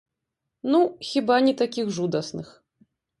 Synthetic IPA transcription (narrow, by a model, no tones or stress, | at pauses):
nuxʲibanʲit̪akʲixʐud̪ɐsnɨx